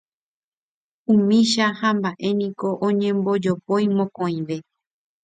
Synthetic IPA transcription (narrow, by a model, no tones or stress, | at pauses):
ũmĩʃahambaʔe̞nĩko̞ʔõɲẽ̞mbo̞d͡ʒopoj̃mõkõĩʋe̞